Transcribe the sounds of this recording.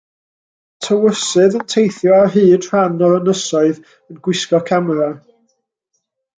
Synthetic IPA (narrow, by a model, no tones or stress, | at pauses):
tʰəwəsɨðəntʰejθjɔarɦiːd̥r̥anɔənəsɔɨð | ənɡwɪskɔkʰamɾa